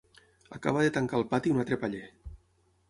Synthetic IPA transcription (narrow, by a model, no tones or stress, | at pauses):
aka̰β̞aðet̪aŋkalˠpat̪iunat̪ɾepaʎe